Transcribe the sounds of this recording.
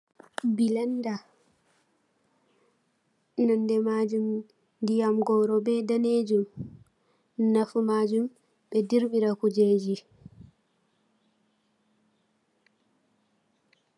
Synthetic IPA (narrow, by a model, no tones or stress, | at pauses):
bilanda | nɔndɛmad͡ʒum | dijamɡɔɾɔbɛdaned͡ʒum | nafumad͡ʒum | ɓɛdiɾɓiɾakud͡ʒeːd͡ʒi